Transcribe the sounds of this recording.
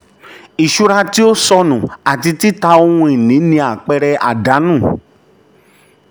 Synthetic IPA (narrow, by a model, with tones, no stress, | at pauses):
i˨ʃu˦ɾa˧ti˦o˦sɔ˧nũ˨a˨ti˧ti˦ta˧o˧hũ˧i˨nĩ˨˦nĩ˧a˨k͡pɛ˧ɾɛ˧ʔa̰˨da˨˦nũː˦˨